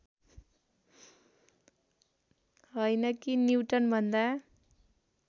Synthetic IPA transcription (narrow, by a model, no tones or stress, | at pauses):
ɦʌjnʌkiniwʈʌnbʱʌnd̪a